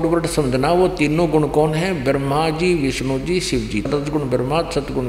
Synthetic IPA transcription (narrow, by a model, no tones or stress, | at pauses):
ʈʋɾəʈsəmd̪naːʋot̪inːõːɡʊɳkɔːnɦɛ̃ːbəɾmaːd͡ʒiːʋɪʃnõːd͡ʒiːʃɪʋd͡ʒiːt̪ət̪ɡʊɳbəɾmaːt̪sət̪ɡʊɳ